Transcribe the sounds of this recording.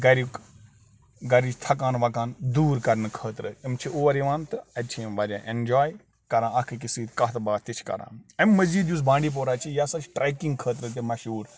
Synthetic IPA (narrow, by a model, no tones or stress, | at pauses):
ɡɐɾik | ɡɐɾit͡ʃʰt̪ʰɐkaːnʋɐkaːnd̪uːɾkɐɾnɨkʰəːt̪ɾɨimt͡ʃʰiʔoːʋɐɾiʋãːnt̪ɨɐt͡ʃʰimʋɐɾʲã̰ːʔend͡ʒaːj | kɐɾãːɐkʰɨkisiːt̪kɐɦt̪ɨbaːt̪it͡ʃʰkɐ̰ɾã̰ːɐmːɐzd͡ʒiːd̪jus̬bãːɳɖiːp̬oːɾaːt͡ʃʰijasɐt͡ʃʰʈɾaːkĩŋɡkʰəːt̪ɾɨt̪̬ʲimɐʃuːɾ